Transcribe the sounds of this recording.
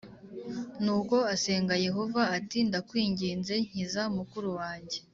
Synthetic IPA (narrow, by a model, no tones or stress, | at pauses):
nuːko̞ase̞ːŋɡaje̞ɦo̞vaːtindakwiːɲɟiːnze̞ɲ̥izaumukuɾuwaːɲɟe̞